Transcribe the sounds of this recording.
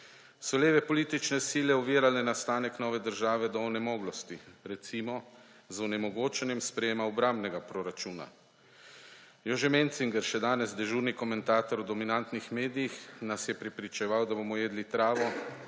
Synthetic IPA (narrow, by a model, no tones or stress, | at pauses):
sɔleːʋɛpɔliːt̪it͡ʃnɛsiːlɛɔʋiːɾalɛnast̪aːnɛknɔːʋɛd̪əɾʒaːʋɛd̪ɔːnɛmɔːɡlɔst̪iɾɛt̪simɔ | zɔnɛmɔɡoːt͡ʃɛnjɛmspɾɛjeːmaɔbɾambnɛɡapɾɔɾat͡ʃuːna̰ | jɔʒemɛnt̪siŋɡɛɾʃɛd̪aːnɛzd̪ɛʒuːɾnikɔmɛnt̪aːt̪ɔɾɔd̪ɔminant̪nixmeːd̪ijixnasjɛpɾɛpɾit͡ʃɛʋawd̪aboːmɔjeːd̪lit̪ɾaːʋɔ